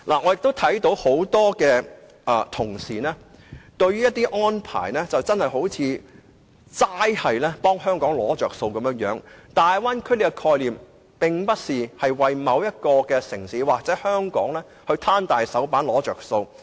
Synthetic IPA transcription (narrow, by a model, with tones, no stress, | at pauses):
laː˨˩ŋɔ˨˧jɪ˨k̚t̪o˥wt̪ʰɐ˨˥jt̪o˨˥who˨˥wt̪ɔː˥kɛː˧ | ʔɛː˨t̪ʰʊ˨˩ŋsiː˨˩nɛː˥t̪ɵ˧ɥyː˥jɐ˥t̪iː˥ʔɔː˥npʰa̰ː˨˩jnɛː˥t͡sɐ˨wt͡sɐ˥nhɐ˨jɦo˨˥wt͡sʰiː˨˧ | t͡saː˥jhɐ˨jlɛː˥pɔː˥ŋɦœː˥ŋkɔː˨˥ŋlɔː˨˥t͡ʃœː˨k̚so˧wkɐ˨˦mjœː˧˥ŋjœː˨˥ŋt̪aː˨jwaː˥nkʰɵ˥le˨˧kɛ˧kʰɔː˧jliː˨m | pɪ˨˩ŋpɐ˥t̚siː˨hɐ˨jwɐ˨jmɐ˨˧wjɐ˥t̚kɔː˧kɛː˧sɪ˨˩ŋsiː˨˥waː˨k̚t͡sɛː˨˦˥hœː˥ŋkɔː˨˥ŋlɛː˥ | hɵ˧ɥt̪ʰaː˥nt̪aː˨jsɐ˨˥wpaː˨˥nlɔː˨˥t͡ʃœː˨˩kso˧w